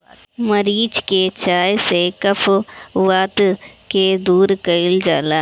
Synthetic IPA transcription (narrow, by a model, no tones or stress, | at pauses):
məɐɾiːd͡ʒket͡ʃaːjsekɐfʰʋaːt̪ked̪uːɾkəɪld͡ʒa̰ːlaː